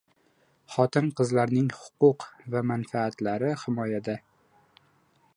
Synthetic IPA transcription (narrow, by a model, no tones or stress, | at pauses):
χɒt̪ʰɪnqʰɨzlaɾnɪŋhʊ̥qʊqvamanfaːt̪laɾɪhɪmɒjad̪a